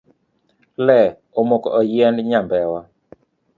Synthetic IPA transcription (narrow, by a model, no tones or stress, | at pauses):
lɛ | omokɔʔɔjɛndɲambɛwa